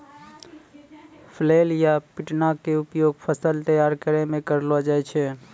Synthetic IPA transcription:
pʰleːljapɪʈnakeʊpjoːɡpʰəsəlt̪əjaːɾkəɾemẽkəɾlod͡ʒaɛt͡ʃʰeː

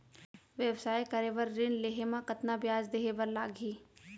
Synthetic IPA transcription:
ʋjɛwsaːjkɐɾeːʋəɾɾɪnleːɦemãkɐt̪nabjaːd͡ʒd̪eːɦebəɾlaːɡʱiː

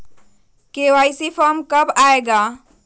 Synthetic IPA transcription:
kewajsipʰɔmkəbaeɡa

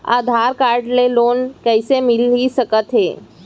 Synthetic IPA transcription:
a̰ːd̪ʱaːɾkaːɾɖleloːnkɛɪsemɪlisəkət̪ɦeː

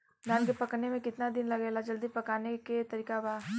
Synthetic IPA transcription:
d̪ʱaːnkepɐknemẽkɪt̪nad̪ɪnlɐɡeːlad͡ʒɐld̪ipɐkaːneket̪ɐɾiːkabaː

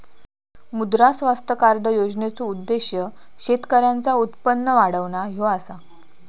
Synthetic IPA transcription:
mud̪ɾasʋast̪əkaɾɖəjod͡znet͡soud̪ːeɕjə | ɕet̪kəɾjant͡saut̪pənːəʋaɽəʋɳaɦoasa

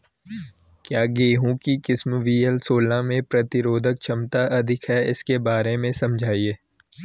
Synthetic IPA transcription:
kjaːɡeːɦũkikɪsmʋiːɛlsoːlãmẽpɾɐt̪ɪɾoːd̪ʱək̚t͡ʃʰɐmt̪aʔɐd̪ʱɪkɦɛɪskebaːɾemẽsɐ̃md͡ʒʱaːieː

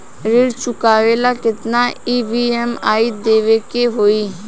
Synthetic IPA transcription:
ɾɪɾt͡ʃʊkaːʋeːlakɪt̪naiːbiɛmaːid̪eːʋekeɦoːi

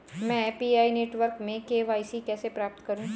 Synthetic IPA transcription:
mɛ̃piaːineːʈʋəɾkmẽkeːʋaːisikɛːsepɾaːp̚t̪kɐɾũː

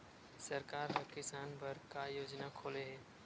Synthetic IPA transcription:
sɐɾkaːɾɦɐkɪsaːnbɐɾkajoːd͡ʒnakʰoːleɦɛː

